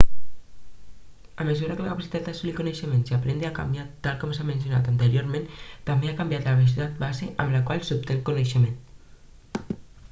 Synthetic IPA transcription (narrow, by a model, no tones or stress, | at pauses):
əməzuɾakələkapasi̥t̪at̪̚d̪əsulikoneʃəmẽnsiapɾend̪eaka̰mbjat̪ːalkɔmsamẽnsjona̰t̪ant̪əɾjoɾmẽnt̪ambeakambjat̪laβes̬ut̪at̪̚bazeʔamlakwalsup̚t̪eŋkoneʃemẽnt̪